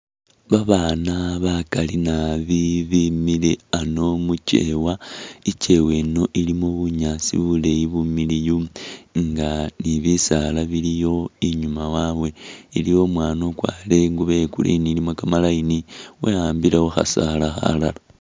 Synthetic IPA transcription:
βaβaːnaβakalinaβiβimileano̞muce̞̰wait͡ʃe̞we̞no̞ʔilimoβuɲasḭβule̞jiβumilijuŋɡaniβisalaβilijo̞iɲumawawe̞ilijo̞mwaːnokwa̰le̞ŋɡuβe̞kṵlḭnilimokamalainiweaːmbilewoxa̰salaxa̰lala

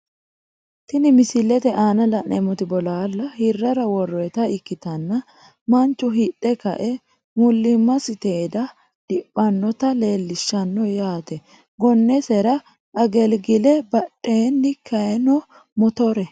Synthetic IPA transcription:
t̪ɪnɪmɪsɪlɛt̪ɛʔaːnɐlɐnɛmɔt̪ɪbɔlaːlːɐhɪrːɐɾɐwɔrːɔɛt̪ɐɪkːɪt̪ɐnːɐ | mɐnt͡ʃːʊɦɪtʼːɛkɐ̰ʔɛ | mʊlːɪmːɐsɪt̪eːd̪ɐ | d̪̥ɪpʼːɐnːɔt̪ɐle̞ːlːɪʃːɐnːɔjaːt̪ɛ | ɡɔnːɛsɛɾɐ | ʔɐɡɛlɡɪlɛbɐɗːeːnːɪkʰɐjɛnɔ | mɔt̪ɔɾɛ

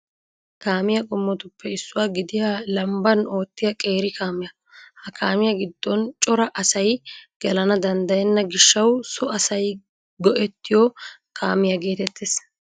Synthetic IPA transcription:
kaːmɪjɐkʼʊmːɔt̪ʊpːɛɪsːʊwaːɡɪd̪ɪjalɐmbɐno̞ːt̪ːɪjɐkʼe̞ːɾɪkʰaːmɪjɐ | hɐkʰaːmɪjɐɡɪd̪ːɔnt͡ʃʼɔɾɐʔɐsɐjɡ̥ɛlɐnɐd̪ɐnd̪ɐjɛnːɐɡɪʃːɐwsɔɐsɐj | ɡɔʔɛt̪ːɪjɔkʰa̰ːmɪjɐɡe̞ːt̪ɛt̪ːeːs

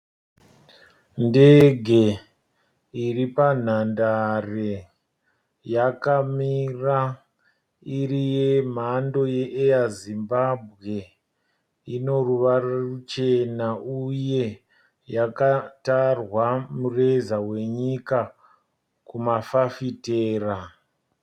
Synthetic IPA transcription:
ndeɡʱe̞ | iripan̤andare | jakamira | irijem̤ando̞je̞ʔejazimbabʱɣe̞ | ino̞ruʋarorut͡ʃe̞naʔuje̞ | jakatarwamurezawe̞ɲika | kumafafiteːra

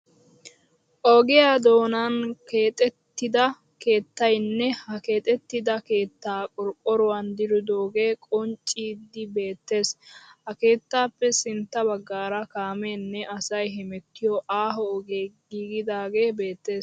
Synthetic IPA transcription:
ʔɔɡɪjad̪o̞ːnɐnkeːt̪ʼɛt̪ːɪd̪ɐ | ke̞ːt̪ːɐjnːɛhɐke̞ːt̪ʼɛt̪ːɪd̪ɐke̞ːt̪ːaːkʼɔɾkʼːɔɾʊwɐnd̪ɪɾʊd̪oːɡe̞ːkʼɔnt͡ʃʼːiːd̪ːɪbe̞ːt̪ːe̞ːshɐke̞ːt̪ːaːpːɛsɪnt̪ːɐβɐɡːaːɾɐkaːmeːnːɛʔɐsɐjɦɛmɛt̪ːɪjɔʔaːɦɔːɡeːɡiːɡɪd̪aːɡe̞ːbe̞ːt̪ːe̞ːs

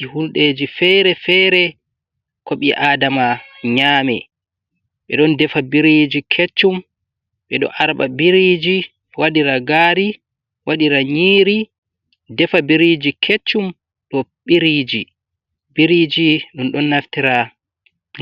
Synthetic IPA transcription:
ihulɗeːd͡ʒifɛɾɛfɛɾɛ | kɔɓiʔaːdamaɲaːmɛ̰ | ɓɛɗɔndɛfabiɾid͡ʒikʰet͡ʃːum | ɓɛɗɔ̰ʔaɾɓa̰biɾid͡ʒi | waɗiɾaɡaːɾi | waɗiɾaɲiːɾi | dɛfabiɾid͡ʒikʰet͡ʃːum | ɗɔɓiɾid͡ʒi | biɾid͡ʒiɗunɗɔnːaftiɾa

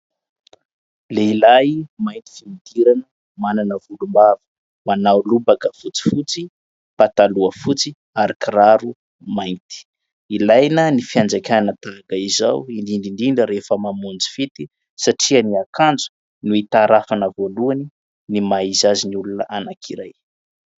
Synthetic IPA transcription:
leilajmajnt̪i̥find̪iɾanə | mananəvulumbavə̥ | manawlubakəfut͡si̥fut͡si | pat̪aluəfut͡si | aɾakiraɾu | majnt̪i̥ | ilajnənifiand͡zakʲanət̪akaiza̰wind̪ind̪ind̪iɳɖ͡ʐəɾefəmamund͡zi̥fit̪i | saʈ͡ʂiəniakand͡zu̥ | nuit̪aɾafanəvoluani | nimaizaziniulunəʔanakʰiɾaj

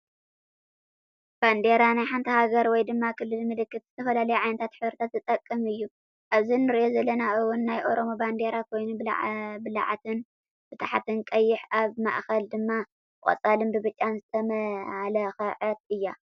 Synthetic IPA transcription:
b̥and̪e̞ɾanajħant̪ʰɐhaɡɐɾwɔjd̪ɨmːakʰɨlːɨlmɨlɨkːɨt̪z̥ɨt̪ʰɐfɐlalɐjuʕajnɐt̪ʰat̪ħɨβɾɨt̪ʰat̪zɨt̪ʼɐkʼːɨmɨjːu | ʔaβzinːɨɾiʔo̞zɐlːɐnaʔɨwːʊnːajʔo̞ɾo̞moband̪e̞ɾakʰo̞jnubl̰bɨla̰ʕa̰t̪ʰɨn | b̥ɨt̪ʰaħat̪ʰɨnkʼɐjːɪħaβma̰ʔxɐld̪ɨmːa | χʼɐ̰t͡sʼalɨmbɨbɨt͡ʃʼːanzɨt̪ʰɐmɐhalɐxɐʕɨt̪̚ɨjːa

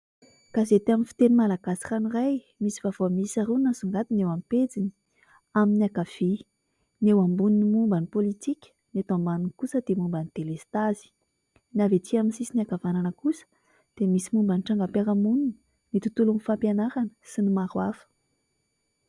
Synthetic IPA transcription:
kazet̪aminfi̥t̪enimalaɡasi̥ranuraj | misivavomisaɾunnəsuŋɡat̪inewamped͡zini̥ | aminiakav̥i | newambuninimumbanipolit̪ikʲə̥net̪ambanunkusəd̪̥emumbanit̪elest̪azi̥ | navet̪ʰiaminsisiniakavananəkusə̥ | d̪̥emisimumbaniʈ͡ʂaŋɡapaɾəmununi̥ | nit̪ut̪ulunifampjanaɾanə̥sinimaɾwafə̥

